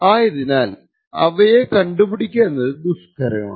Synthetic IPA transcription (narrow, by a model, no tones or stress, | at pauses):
aːjɐðinaːl | ɐ̰ʋɐjekɐɳɖupiɽikʲːeːnːɐðɨd̪uskɐɾɐ̰ma̰ː